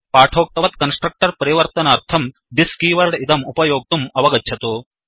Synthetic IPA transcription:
paːʈʰoːk̚t̪ɐʋɐt̪kɐnsʈɾɐk̚ʈɐɾpɐɾiʋɐɾt̪ɐnɐːɾt̪ʰɐm | d̪iskiːʋɐɾɖid̪ɐmupɐjoːɡ̚t̪umɐʋɐɡɐt͡ʃʰɐt̪u

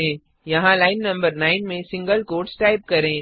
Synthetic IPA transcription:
ẽː | jɐɦãlaːɪnːɐ̃mbəɾnaːɪnmẽsɪ̃ŋɡəlkoːɖsʈaːɪb̚kɐɾẽː

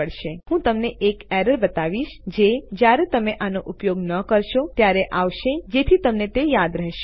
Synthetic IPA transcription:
əɽʃeɦũt̪əmneʔekɛɾəɾbət̪aʋiʃd͡ʒed͡ʒjaɾet̪əmeʔanoʔʊpjoɡnəkəɾʃot̪jaɾeʔaʋʃed͡ʒet̪ʰit̪əmnet̪ejad̪ɾəɦʃ

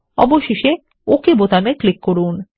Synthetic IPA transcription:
ɔ̰boʃeʃe | okebot̪ameklikːoɾun

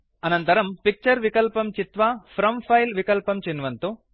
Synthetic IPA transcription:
ɐnɐnt̪ɐɾɐmpik̚t͡ʃɐɾʋikɐlpɐmt͡ʃit̪ʋapʰɾɐmpʰɐjlʋikɐlpɐmt͡ʃinʋɐnt̪u

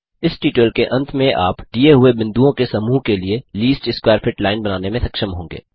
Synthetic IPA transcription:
ɪsʈiːʈəlkeʔɐ̃nt̪ʰmẽʔa̰ːpɖieɦʊebɪ̃nd̪uõkesɐmuːɦkelieliːsʈɪskwaːɾfɪʈlaːɪnbɐnaːnemẽsɐkʃəmɦõːŋɡḛː

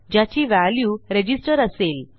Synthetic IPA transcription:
d͡ʑat͡ɕiːʋæljuːɾed͡ʑisʈəɾəsel

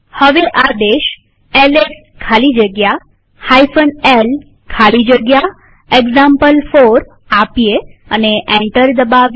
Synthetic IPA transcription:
həʋeʔad̪eʃ | eles | kʰalid͡ʒəɡja | hajfənel | kʰalid͡ʒəɡja | eɡzampəlfoɾ | apijeəneʔɛ̃ɳʈəɾd̪əbaʋ

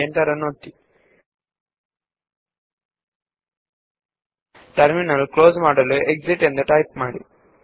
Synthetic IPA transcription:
ent̪ɐɾɐnːuot̪ːi | ʈɐɾminɐlkloːzmaːɽɐluʔek̚ziʈend̪uʈɐjp̚maːɽḭ

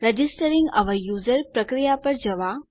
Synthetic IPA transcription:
ɾɐd͡ʒisʈəɾiŋɡɐ̰ʋəjuːzəɾpɾɐkɾijapɐɾd͡ʒɐʋa

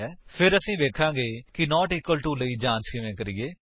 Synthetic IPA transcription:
ɛːpʰɪɾəsĩːʋeːkʰãːɡeːkɪnɔːʈɪːkːəlʈuːləiːd͡ʒãːnskɪʋẽːkəɾiːeː

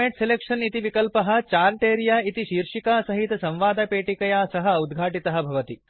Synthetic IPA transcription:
eʈselekʂɐnit̪iʋikɐlpɐɦɐ̆t͡ʃaːɾʈeːɾjaːit̪iʃiːɾʂikaːsɐɦit̪ɐsɐ̃m̃ʋaːd̪ɐpeːʈikɐjaːsɐɦɐud̪ɡʱaːʈit̪ɐɦɐbʱɐʋɐt̪i

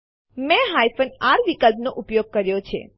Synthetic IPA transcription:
mɛ̃ɦajfənaɾʋikəlpnoʔupjoɡ̚kəɾjot͡ʃʰḛ

